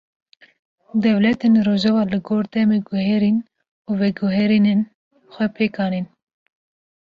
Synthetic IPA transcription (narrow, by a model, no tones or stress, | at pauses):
d̪ɛvlɛt̪enɾoːʒɛvɑːlɨɡoːɾd̪ɛmeɡʊhɛɾin | uːvɛɡuɦɛɾinen | xʷɛpʰeːkɑːnen